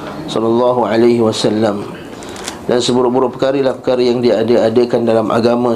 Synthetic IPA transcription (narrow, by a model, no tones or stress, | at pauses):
sɔlalːɑɦuʕalaɦiwasalːam | dansəbuɾʊbuɾʊpəkaɾəlahpəkaɾəjaŋdiadəadəkandalamʔa̰ɡamã